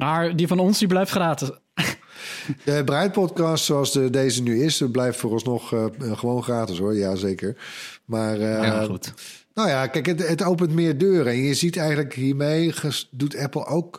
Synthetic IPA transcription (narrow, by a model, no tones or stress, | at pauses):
maɹdivɑnɔnsdiblɛjftχraːtɪs | dəbrɛjt̚pɔtkɑstsowɑlˠsədejzənyɪsblɛjftfʊːrɔlsnɔχχəʋownχraːtɪsoːɹjazejkəɹ | maːrut | nojakɛjkətətowpəntmɪːɹdøːrɛnjəzitɛjɣənləkɦiːɹmejdutʰɛpl̩ˠowk